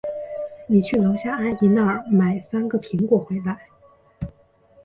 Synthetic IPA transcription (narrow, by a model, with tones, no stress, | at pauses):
ni˨˩t͡ɕʰy˥˩lo˧˥ʊɕja˥a˥˩ɪi˧˥na˥˩ə˨˩ma˨˩ɪsa˥nɡə˨pʰi˧˥ŋkwɔ˨˩xwe˧˥ɪla˧˥ɪ